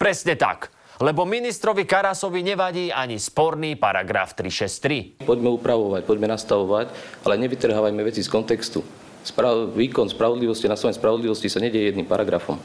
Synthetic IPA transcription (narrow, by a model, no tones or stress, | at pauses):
pɾɛsɲɛt̪a̰k | lɛbɔminist̪ɾɔʋikaɾasɔʋiɲɛʋaɟiːaɲispɔɾniːpaɾa̰ɡɾa̰ft̪ɾiʃɛst̪ɾipɔɟmɛupɾaʋɔʋac̚pɔɟmɛnast̪aʋɔʋacalɛɲɛʋit̪r̩ɦaːʋajmɛʋɛt͡siskɔnt̪ɛkst̪u | spaʋiːkɔnspɾaʋɔd̪liʋɔscianast̪aaɲɛspɾaʋɔd̪liʋɔscisaɲɛɟɛjɛjɛd̪nimpaɾaɡɾafɔ̰m